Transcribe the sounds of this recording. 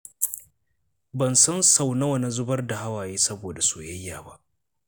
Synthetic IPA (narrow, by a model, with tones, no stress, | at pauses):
bɐ˨nsɐ˦nsa˨wnɐ˦wɐ˨na˦zʊ˦bɐ˦rda˨ha˦waː˨jeː˦sɐ˦boː˨da˨soː˨jɐ˦jːaː˨ba̰˦ʔ